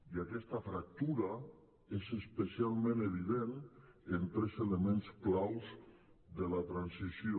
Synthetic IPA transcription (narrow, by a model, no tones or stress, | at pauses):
iakɛst̪afɾak̚t̪uɾa | esespesialˠmẽneβ̞iðenent̪ɾɛzelemẽnsklawsðelat̪ɾansisjo